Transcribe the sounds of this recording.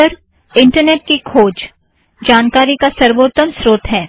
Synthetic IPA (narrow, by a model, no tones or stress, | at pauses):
əɾ | ɪ̃ɳʈəɾneːʈ̚kikʰoːd͡ʒ | d͡ʒaːnkaːɾikasɐɾʋoːt̪ːəmsɾoːt̪ɦɛː